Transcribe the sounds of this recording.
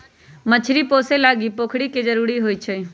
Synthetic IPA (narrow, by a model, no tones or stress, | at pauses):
mət͡ʃʰɾipoːselaːɡipoːkʰɽiked͡ʒəɾuːɾiɦoːit͡ʃʰe